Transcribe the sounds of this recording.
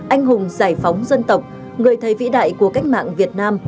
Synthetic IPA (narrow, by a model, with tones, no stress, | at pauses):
ʔa˧jŋ̟ɦʊ˨˩ŋ͡mzaː˧˩jfa˨˦wŋ͡mzə˧nt̪ə˨˩wk͡p̚ | ŋɨ˨˩əjt̪ʰəː˨˩jvḭ˧˥ɗa̰ː˧˨jku˧˩əka˦˥jk̟̚ma̰ː˧˨ŋvi˨˩ət̚naː˧m